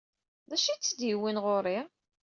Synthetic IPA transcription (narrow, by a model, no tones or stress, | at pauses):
ðæʃit͡sːd̪jiwinʁoɾi